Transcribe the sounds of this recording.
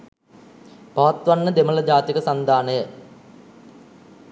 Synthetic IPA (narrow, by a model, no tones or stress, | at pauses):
pɐʋat̪ʋanːəd̪emələd͡ʑaːt̪ikəsand̪ʱaːnəjə